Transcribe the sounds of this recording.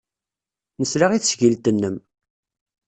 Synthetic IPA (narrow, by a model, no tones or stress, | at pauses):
nəslaʁiθsʝilt̪ənːəm